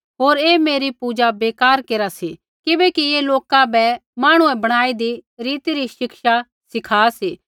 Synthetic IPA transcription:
ɦoːɾeːmeːɾipuːd͡ʒabeːkaːɾkeːɾasi | kɪbɛkieːloːkãbɛmaːɽ̃uɛ̃bɐɽ̃aːid̪iɾiːt̪iɾiʃɪkʃa | sɪkʰaːsiː

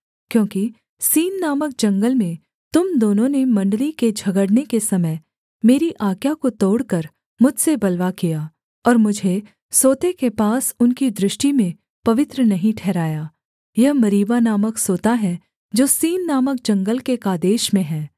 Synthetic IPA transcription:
kjõːki | siːnːaːmək̚d͡ʒɐ̃ŋɡəlmẽ | t̪ʊmd̪oːnõnemɐ̃ɳɖəliked͡ʒʱɐɡəɽnekesɐməɪ | meːɾiʔaːkjakot̪oːɽkəɾ | mʊd͡ʒʱsebɐlʋakijaː | ɔːɾmʊd͡ʒʱe | soːt̪ekepaːsʊnkid̪ɾɪʃʈimẽ | pɐʋɪt̪ɾənɐɦĩʈʰɛːɾaːjaː | jɐɦmɐɾiːbanaːməksoːt̪aɦɛ | d͡ʒoːsiːnːaːmək̚d͡ʒɐ̃ŋɡəlkekaːd̪eːʃmẽɦɛ̃ː

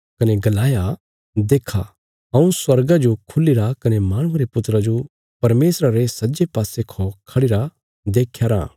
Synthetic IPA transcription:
kɐneɡɐlaːja | d̪eːkʰa | ɐ̃ũswɐɾɡad͡ʒokʰʊliɾakɐnemaːɽ̃ʊɐɾepʊt̪ɾad͡ʒo | pɐɾmeːsɾaɾesɐd͡ʒepaːsekʰokʰɐɽiɾa | d̪eːkʰːjaɾã̰ː

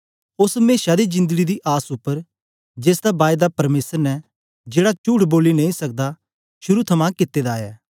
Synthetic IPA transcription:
ʊsmeːʃad̪id͡ʒɪ̃nd̪əɡid̪iʔaːsʊpːəɾ | d͡ʒeːsd̪abaːjd̪apɐɾmeːsəɾnɛ | d͡ʒeːɽat͡ʃuːʈʰboːlinɐ̃ĩsɐk̚d̪a | ʃʊɾut̪ʰɐmãkɪt̪ːed̪aːjɛː

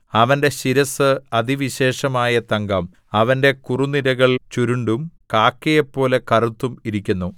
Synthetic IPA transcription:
ɐʋɐnde̞ɕiɾɐsɨɐðiʋiɕe̞ːʂɐmaːjɐt̪ɐŋɡɐm | ɐʋɐnde̞kuruniɾɐɣɐɭt͡ɕuɾuɳɖumkaːkːejɐpːo̞ːle̞kɐrut̪ːumiɾikʲːunːu

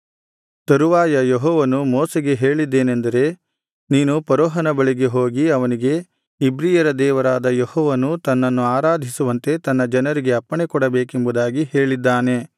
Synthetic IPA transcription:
t̪ɐɾuʋaːjɐjeɦɔːʋɐnumɔːseɡe̞ɦe̞ːɭid̪ːe̞ːnend̪ɐɾe̞ | niːnupɐɾɔːɦɐnɐbɐɭiɡe̞ɦoːɡiɐʋɐniɡe̞ | ibɾiːjɐɾɐd̪ɛːʋɐɾaːd̪ɐjehɔːʋɐnut̪ɐnːɐnːuaːɾaːd̪ʱisuʋɐnt̪e̞t̪ɐnːɐd͡ʒɐnɐɾiɡe̞ɐpːɐɳekɔɽɐbeːkembud̪aːɡihe̞ːɭid̪ːaːne̞

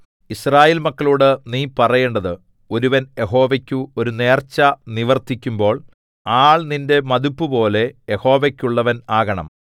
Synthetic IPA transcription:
israːjeːlmɐkːɐɭuːɽɨniːpɐrɐjeːɳɖɐðɨ | o̞ɾuʋɐnje̞ɦo̞ːʋekʲːuo̞ɾune̞ːrt͡ɕːɐniʋɐrt̪ikʲːumbo̞ːɭ | aːɭninde̞mɐðupːɨpo̞ːle̞jeho̞ːʋekʲːuɭːɐʋɐnaːɣɐɳɐ̰m

